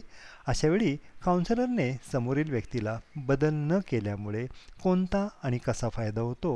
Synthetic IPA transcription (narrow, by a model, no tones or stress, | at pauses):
əɕaʋeɭiːkawnsləɾnesəmoɾiːlʋjəkt̪ilabəd̪əlnəkeljamuɭekont̪aːɽ̃ikəsafajd̪aɦot̪o